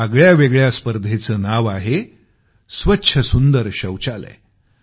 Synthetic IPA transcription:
aɡɭjaʋeɡɭjaspəɾd̪ʱet͡səːnaʋaɦe | sʋətːɕʰəsund̪əɾɕəwt͡ɕalɛ̰

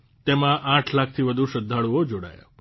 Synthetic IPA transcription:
t̪emãʔãʈʰlak̚ʰt̪ʰiʋəd̪ʱuʃəd̪ʱːaɭuod͡ʒoɽa̰jo̰

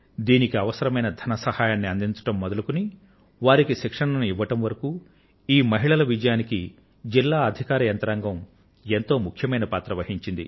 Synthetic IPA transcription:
d̪iːnikiɐʋɐsɐɾɐmɐjnɐd̪ʱɐnɐsɐhaːjaːnːiɐnd̪iɲt͡ʃɐ̥ʈɐmːɔd̪ɐlukuni | ʋaːɾikiʃikʂɐɳɐnuiʋːɐʈɐmʋɐɾɐkuː | iːmɐɦiɭɐlɐʋid͡ʒɐjaːniki | d͡ʒilːaːɐd̪ʱikaːɾɐjɐnt̪ɐɾaːŋɡɐm | e̞nt̪o̞ːmukʰjɐmɐjnɐpaːt̪ɾɐʋɐɦiɲt͡ʃind̪ḭ

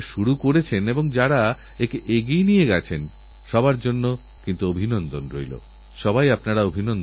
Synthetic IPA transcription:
ʃuɾukoɾet͡ɕʰeneboŋd͡ʑaɾa | ekeʔeɡijnijeɡat͡ɕʰen | ʃɔbaɾd͡ʑonːo | kint̪uobʱinɔnd̪onɾojlo̰ | ʃɔbajapnaɾaobʱinɔn

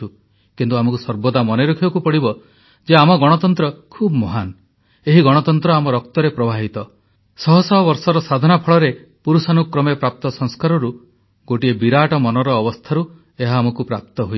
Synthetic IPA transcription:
u | kint̪uamɔkusɔɾbɔd̪amɔneɾokʰibɔkupɔɽibɔ | d͡ʒeamɔɡɔɽ̃ɔt̪ɔnt̪ɾɔkʰubɔmɔɦan | eɦiɡɔɽ̃ɔt̪ɔnt̪ɾɔamɔɾɔk̚t̪ɔɾepɾɔbʱaɦit̪ɔ | sɔɦɔsɔɦɔβɔɾsɔɾɔsad̪ʱɔnapʰɔɭɔɾe | puɾusanukɾɔmepɾap̚t̪ɔsɔŋskaɾɔɾu | ɡ̥oʈiebiɾaʈɔmɔnɔɾɔːbɔst̪ʰaɾu | eɦaːmɔkupɾap̚t̪ɔɦo

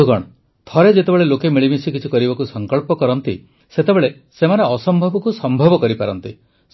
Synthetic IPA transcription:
uɡɔɽ̃ɔ | t̪ʰɔɾed͡ʒet̪ebeɭelokemiɭibisikit͡ʃʰikɔɾibakusɔŋkɔɭpɔkɔɾɔnt̪ḭ | set̪ebeɭe | semaneɔsɔmbʱɔbɔkusɔmbʱɔbɔkɔɾipaɾɔnt̪i

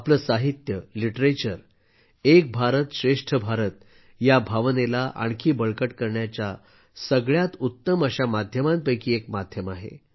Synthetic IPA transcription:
apləːsaɦit̪jəliʈɾet͡ɕəɾ | ek̚bʱaɾət̪ɕɾeʂʈʰəbʱaɾət̪̚ | jabʱaʋnelaʔa̰ɳkʰiːbəɭkəʈkəɾɳjat͡ɕja | səɡɭjat̪ut̪ːəməɕamad̪ʱjəmãnpəjkiːek̚mad̪ʱjəmaɦḛ

